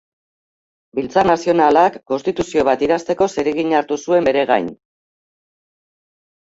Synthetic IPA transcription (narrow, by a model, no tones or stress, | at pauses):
bilt͡sarnasio̞nalakːo̞nst̪it̪usio̞β̞at̪iɾast̪e̞ko̞se̞ɾeɣiɲaɾt̪usue̞mbe̞ɾe̞ɣa̰jn